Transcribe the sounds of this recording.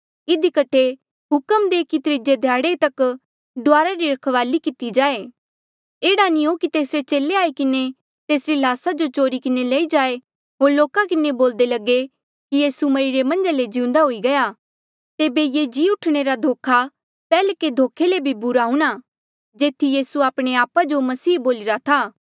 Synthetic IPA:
ɪd̪ikɐʈʰe | ɦʊkəmd̪eːkit̪ɾɪd͡ʒed̪ʱjaːɽet̪ɐk | d̪ʊaːɾaɾiɾɐkʰʋaːlikɪt̪id͡ʒaːe | eːɽanĩokit̪eːsɾet͡ʃeːleaːikɪne | t̪eːsɾilaːsad͡ʒot͡ʃoːɾikɪneleːid͡ʒaːe | ɦoːɾloːkakɪneboːld̪elɐɡe | kijiːsumɐɾiɾemɐ̃nd͡ʒaled͡ʒɪ̃ʊ̃nd̪aɦoːiɡɐja | t̪eːbejed͡ʒiːʊʈʰɽ̃eɾad̪ʱoːkʰa | pɛːleked̪ʱoːkʰːelebʱibʊɾaɦʊ̃ɽ̃a | d͡ʒeːt̪ʰijiːsuaːpɽ̃eaːpad͡ʒomɐsiːboːlɪɾat̪ʰaː

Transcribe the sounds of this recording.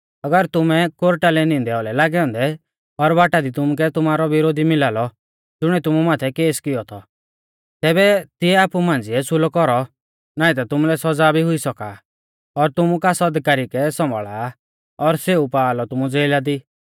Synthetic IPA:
ɐɡəɾt̪ʊmɛkoɾʈalɛnĩnd̪ɛɔlɛlaːɡɛɔ̃nd̪ɛ | ɔɾbaːʈad̪it̪ʊmuk̬ɛt̪ʊmaːɾɔʋɪɾoːd̪ʱimɪlaːlɔ | d͡zʊɽ̃ɛt̪ʊmumaːt̪ʰɛkeːskɪjɔt̪ʰɔ | t̪ɛːbɛt̪ɪɛaːpumãːn̆d͡zɪɛsʰʊlɔkɔɾɔ | naːĩt̪̬at̪ʊmulɛsɔd͡zaːbʱiɦʊisɔka | ɔɾt̪ʊmukasɔd̪kaːɾikɛsɔ̃mbʱɔɭa | ɔɾseupaːlɔt̪ʊmud͡zeːlad̪iː

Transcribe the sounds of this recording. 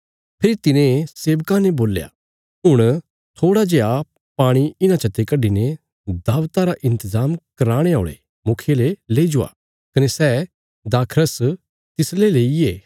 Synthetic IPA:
pʰɪɾit̪ɪnẽseːʋkãneboːlja̰ | ɦʊɽ̃ | t̪ʰoːɽad͡ʒeːa | paːɽ̃iɪnãt͡ʃʰɐt̪ekɐɖine | d̪aːʋt̪aɾaʔɪ̃nt̪əzaːmkɐɾaːɽ̃eaːɽ̃ḛ | mʊkʰeleleːid͡ʒʊa̰ | kɐnesɛː | d̪aːkʰɾəs | t̪ɪsleleːieː

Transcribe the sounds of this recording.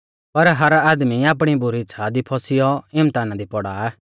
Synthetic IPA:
pɐɾɦɐɾaːd̪miaːp̬ɽ̃ibʊɾiɪːt͡ʃʰad̪ipʰɔsɪjɔɪmt̪aːnãd̪ipɔɽaɛː

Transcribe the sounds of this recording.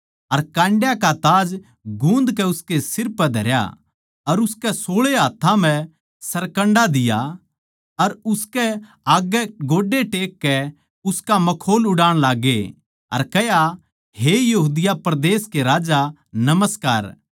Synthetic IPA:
ɐɾkãːɳɖjakat̪aːd͡ʒ | ɡũːnd̪kɛʊskesɪɾpːɛd̪ʱɐɾja̰ | ɐɾʊskɛsoːɭeɦaːt̪ʰːãmɛ̃ | sɐɾkə̃ɳɖad̪ɪja̰ | ɐɾʊskɛ | aːɡɛɡoːɖeʈeːkːɛ | ʊskamɐkʰoːlʊɽaːɽ̃laːɡːe | ɐ̰ɾkɛja | ɦejɐɦuːd̪ɪjapɾd̪eːskeɾaːd͡ʒa | nɐməskaːɾ

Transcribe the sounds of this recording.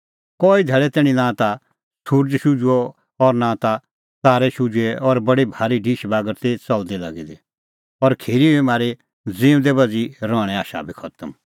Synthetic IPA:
kɔːid̪ʱɛːɭɛt̪ɛːɽ̃ĩnãt̪a | suɾd͡ʒʃud͡ʒuɔ | ɔɾnãt̪a | saːɾɛʃʊd͡ʒuɛʔɔɾbɐɽibʱaːɾiɖʱiːʃbaːɡəɾt̪et͡sɐld̪ɛla̰ɡid̪i | ɔɾkʰeːɾibimaːɾe | d͡zĩːʊ̃d̪ɛbɐd͡ziɾɔːɽ̃ɛ̃aːʃa̰bʱikʰɔt̪əm

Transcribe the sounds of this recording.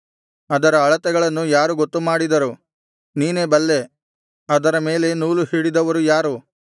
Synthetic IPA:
ɐd̪ɐɾɐːɭɐt̪ɛɡɐɭɐnːujaːɾuɡot̪ːumaːɽid̪ɐɾu | niːneːbɐlːe̞ | ɐd̪ɐɾɐme̞ːle̞nuːluhiːɽid̪ɐʋɐɾujaːɾu

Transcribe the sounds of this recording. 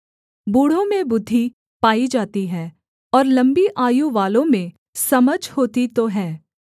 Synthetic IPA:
buːɽ̤õmẽbʊd̪ʱːi | paːid͡ʒaːt̪iɦɛː | ɔːɾlɐ̃mbiʔaːjuʋaːlõmẽ | sɐməd͡ʒʱhoːt̪it̪oɦɛː

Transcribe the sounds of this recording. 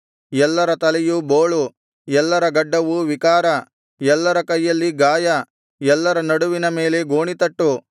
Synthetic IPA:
ɛlːɐɾɐt̪ɐlɛjuboːɭu | ɛlːɐɾɐɡɐɖːɐʋuʋikaːɾɐ | jɛlːɐɾɐkɐjːɐlːiɡaːjɐ | ɛlːɐɾɐnɐɽuʋinɐme̞ːle̞ɡoːɳit̪ɐʈːu

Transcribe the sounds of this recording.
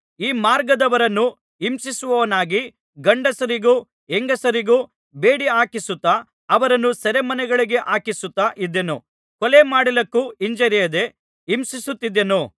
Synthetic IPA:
iːmaːɾɡɐd̪ɐʋɐɾɐnːu | imsisuʋɐʋɐnaːɡi | ɡɐɳɖɐsɐɾiɡuː | eŋɡɐsɐɾiɡuː | beːɽiaːkisut̪ːɐ | ɐʋɐɾɐnːusɐɾemɐnɛɡɐɭiɡe̞ʔaːkisut̪ːɐʔid̪ːenṵ | kɔlemaːɽilɐkːuiɲd͡ʒɐɾijɐd̪e̞ | imsisut̪ːid̪ːenu

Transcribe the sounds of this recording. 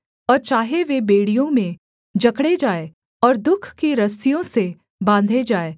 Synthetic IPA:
ɔːɾt͡ʃaːɦeʋebeːɽijõmẽ | d͡ʒɐkɽed͡ʒaːe | ɔːɾd̪ʊkʰkiɾɐsijõse | bãːnd̪ʱed͡ʒaːeː

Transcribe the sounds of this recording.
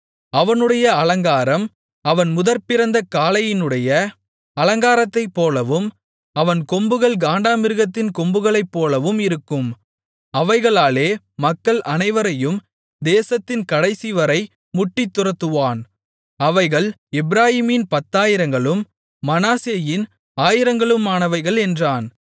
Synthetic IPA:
ɐʋɐnɯɽɐjɐɐlɐŋɡaːɾɐm | ɐʋɐnmʊðɐɾpɪɾɐnd̪ɐkaːlɐjɪnɯɽɐjɐ | ɐlɐŋɡaːɾɐt̪ːɐɪpːoːlɐʋɯm | ɐʋɐnkɔmbɯɣɐɭɡaːɳɖaːmɪɾɯɣɐt̪ːɪnkɔmbɯɣɐɭɐɪpːoːlɐʋɯmɪɾɯkːɯm | ɐʋɐɪɣɐɭaːleː | mɐkːɐɭʔɐnɐɪʋɐɾɐjɯm | d̪eːsɐt̪ːɪnkɐɽɐɪsiʋɐɾɐɪ | mʊʈːɪt̪ːʊɾɐt̪ːɯʋaːn | ɐʋɐɪɣɐɭ | ɛbɪɾaːjiːmɪnpɐt̪ːaːjɪɾɐŋɡɐɭɯmː | ɐnaːseːjɪn | aːjɪɾɐŋɡɐɭɯmaːnɐʋɐɪɣɐɭɛndraːn

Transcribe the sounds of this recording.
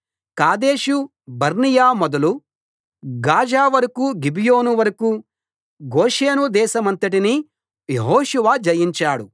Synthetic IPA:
kaːd̪eːʃu | bɐɾnijaːmɔd̪ɐlu | ɡaːd͡ʒaːʋɐɾɐkuɡibijo̞ːnuʋɐɾɐku | ɡoːʃeːnud̪ɛːʃɐmɐnt̪ɐʈini | jeɦoːʃuʋaːd͡ʒɐjiɲt͡ʃaːɽu

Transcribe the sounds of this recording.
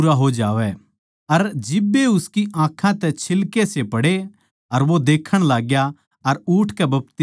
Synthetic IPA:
ɾaɦod͡ʒaːʋɛ | ɐɾd͡ʒɪbːeʊskiʔãːkʰãt̪ɛt͡ʃʰɪlkesepɐɽe | ɐɾʋod̪eːkʰəɽ̃laːɡja | ɐɾuːʈʰkɛbɐpt̪ɪ

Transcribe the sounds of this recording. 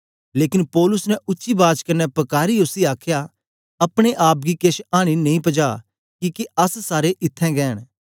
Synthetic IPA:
leːkɪnpɔːlʊsnɛʔʊːʃibaːt͡ʃkɐnːɛpɐkaːɾiʊsiaːkʰja | ɐpɽ̃eʔaːp̚ɡikeːʃaːɽ̃inɐĩpɐd͡ʒaː | kiːkeɐssaːɾeʔɪt̪ʰːɛ̃ɡɛːəɽ̃

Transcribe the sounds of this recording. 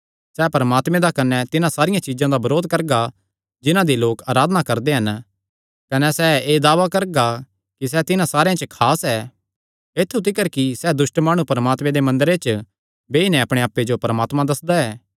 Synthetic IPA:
sɛːpɐɾəmaːt̪mɛ̃d̪akɐnɛt̪ɪnãsaːɾɪjãt͡ʃiːzãd̪abɐɾoːd̪̚kɐɾɡa | d͡ʒɪnãd̪iloːkaːɾaːd̪nakɐɾd̪eɦɐn | kɐnɛsɛːeːd̪aːʋakɐɾɡa | kis̬ɛt̪ɪnãsaːɾeãt͡ʃəkʰaːsɛː | et̪ʰːut̪ʰɪkəɾkisɛd̪ʊsʈmaːɽ̃ũpɐɾəmaːt̪mẽd̪emɐ̃nd̪əɾet͡ʃ | beːinɛɐpɽ̃eaːpːed͡ʒopɐɾəmaːt̪mãd̪ɐsd̪aɛː

